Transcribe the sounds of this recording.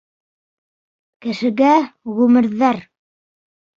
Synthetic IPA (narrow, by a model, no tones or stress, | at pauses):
kɘ̆ʃɘ̆ɡæʁʉmɘ̆ɾðæɾ